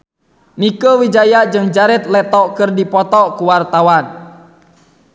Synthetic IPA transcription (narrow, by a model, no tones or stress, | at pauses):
nikəwid͡ʒajaʔd͡ʒɨŋd͡ʒaɾɛt̪̚lɛt̪ɔʔkɨrdipɔt̪ɔkuwart̪awan